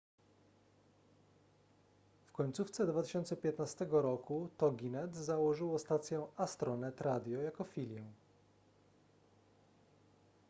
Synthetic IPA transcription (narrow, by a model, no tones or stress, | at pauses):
fkɔɲt̪suft̪sɛd̪vat̪ɘ̥ɕɔnt̪sɛpʲjɛt̪nast̪ɛɡɔɾɔkut̪ɔɡʲinɛt̪zawɔʐɘwɔst̪at̪sʲjɛ̃ast̪ɾɔnɛt̪ɾad̪ʲjɔjakɔfʲilʲjɛw